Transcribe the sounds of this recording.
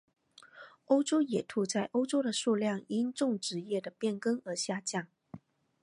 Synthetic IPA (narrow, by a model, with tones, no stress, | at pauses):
o˥ʊʈ͡ʂo˥ʊjɛ˨˩t̪ʰu˧˥t͡sa˥˩ɪʔo˥ʊʈ͡ʂo˥ʊd̪ə˨ʂu˥˧ljɑ˥˩ŋi˥nʈ͡ʂʊ˥˧˩ŋʈ͡ʂɻ̩˧˥jɛ˥˩d̪ə˩pjɛ˥˩nkɤ˥ŋə˞˧˥ɕja˥˧t͡ɕjɑ˥˩ŋ